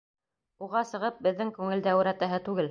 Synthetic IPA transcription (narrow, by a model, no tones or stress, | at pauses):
uʁɑsɤ̆ʁɤp̚bɘ̆ðːɘŋkʉŋɘ̆ld̪æw̆ɾæt̪æɦɘt̪ʉɡɘl